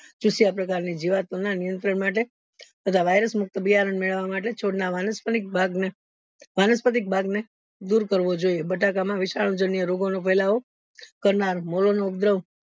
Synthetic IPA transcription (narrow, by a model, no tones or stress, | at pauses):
t͡ʃusijapɾəkaɾnid͡ʒiʋat̪onanijənt̪ɾəɳmaʈe | t̪ət̪ʰaʋajɾəsmʊk̚t̪əbijaɾəɳmeɭəʋːamaʈ̬et͡ʃʰoɽnaʋanəspəik̚bʱaɡne | ʋanəspət̪ik̚bʱaɡne | d̪uɾkəɾʋod͡ʒoiebəʈakamãʋɪʃaɭ̃õd͡ʒənijəɾoɡonopəjlao | kəɾnaɾmolonoup̚d̪ɾəʋ